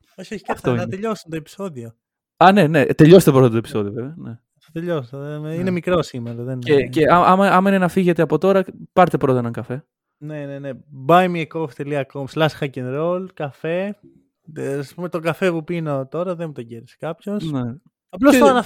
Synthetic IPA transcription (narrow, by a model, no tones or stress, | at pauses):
oçioçi̥ɐft̪oinɐnt̪eʎo̞sunt̪oepi̥so̞ðio | ɐne̞ne̞t̪e̞ʎo̞st̪epɾot̪ɐt̪opi̥so̞ðio̞ve̞veɐne | θɐt̪eʎost̪eðeinemikɾo̞simeɾɐðeneceɐɐmɐɐmɐinenɐfiʝe̞t̪eɐpo̞t̪o̞ɾɐpɐɾt̪epɾo̞t̪ɐnɐŋɡɐfe̞ | ne̞nenebɐjmiekoft̪eliɐkomslɐsi̥xɐcenɾolkɐfe̞ | aspume̞t̪o̞ɡɐfepupinot̪o̞ɾɐðemut̪oɟeɾise̥kɐpço̞sne | ɐplooɐnɐ